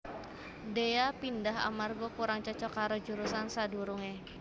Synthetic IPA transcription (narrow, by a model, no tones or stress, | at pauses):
deapindaɦa̰marɡɔkuɾaŋt͡ʃɔt͡ʃɔkaɾod͡ʒuɾusansaduɾuŋe